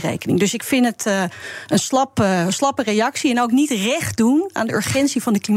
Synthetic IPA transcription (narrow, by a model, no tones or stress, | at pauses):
rḛjkənɪ̰ŋdɵsɪkfɪntət | ənslɑpslɑpərejɑksiɛnowknitrɛχt̚duna̰ːndəʔø̰ɹχɛntsivɑndəklim